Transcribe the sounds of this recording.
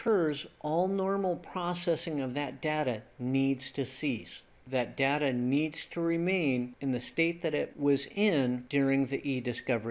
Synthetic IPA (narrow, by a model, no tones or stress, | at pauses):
kʰɜ˞zʔɔlˠnɔɹml̩ˠpʰɹ̥ɔsɛsɪ̃ŋʌvðɨt̚d̥eʊɾɨnidz̥tʰɨsis | ðɨt̚d̥aʊɾɨnidz̥tʰəɹɪmẽɪ̃nɨ̃nðɨsteɪt̪̚ðɨɾɪʔ̚wʌzɪ̃nd̥ʊɹɪ̃ŋðiʔidɨskʌvə˞i